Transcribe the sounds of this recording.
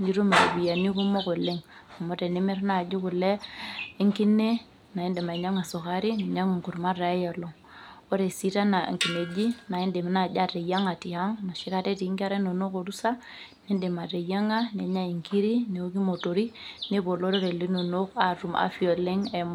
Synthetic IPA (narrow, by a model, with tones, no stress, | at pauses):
ɲi˦ɾo˦ma˨ɾe˨bi˨ja˨ni˦ku˦mo˦ko˨le˦ŋo˨mo˦te˨ne˦me˦ɾna˨d͡ʒi˦ku˨leː˦ŋki˦nːe˦ | na˨ji˦nde˨ma˨ɲa˦ŋa˨so˨ka˦ɾi˦ne˨ɲa˦ŋ˨ŋku˨ɾma˦ɾa˨˦ja˨lo˨ŋ | o˦ɾe˨si˦ta˦na̰˨ŋki˨ne˨d͡ʒi˦na˨ji˦nde˨m˦na˨d͡ʒa˦ɾe˨ja˦ŋa˨ti˨ha˦ŋna˨ʃi˦ka˦te˦ti˨˦ŋki˦a˦ɾe˦no˨no˦ko˨ɾu˦sa˦ | ne˦nde˨ma˨ɾe˨ja˦ŋa˦ne˨ɲa˦i˨ŋki˦ɾi˦ne˨o˦ki˦mo˨to˨ɾi˦ne˦bo˨lo˦ɾo˦ɾe˨li˦no˨no˦ka˨ɾu˨ma̰˦fi˦o˨le˦ŋe˨m˦